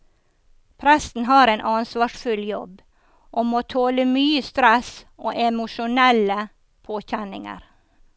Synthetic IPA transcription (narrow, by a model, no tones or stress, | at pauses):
pʰɾɛsn̩ɦɑːɾenʔɑnsʋɑːʂfʉljɔb | ʔomoːt̪ʰoːləmyːəst̪ɾɛsʔoːʔɛmʊʂʊnɛlə | pʰoːçɛnɪŋə̰ɾ